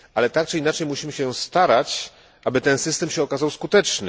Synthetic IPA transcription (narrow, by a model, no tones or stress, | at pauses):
ʔalɛt̪akt͡ʂɨinat͡ʂɛjmuɕimɘɕɛjɔ̃st̪aɾat͡ɕ | ʔabɘt̪ɛnsɘst̪ɛmɕɛɔkazawskut̪ɛt͡ʂnɘ